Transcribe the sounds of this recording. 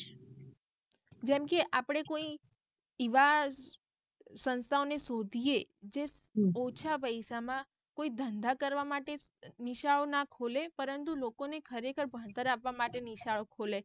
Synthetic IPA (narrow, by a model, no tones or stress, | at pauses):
d͡ʒɛmkeʔapəɽ̃ekoi | iʋa | sənst̪ʰaonesod̪ʱijed͡ʒeot͡ʃʰapəjʃamã | koid̪ʱənd̪akəɾʋamaʈeniʃaɭonakʰolepəɾənt̪ulokonekʰəɾekʰəɾbʱə̃ɽt̪əɾapʋamaʈeniʃaɭokʰole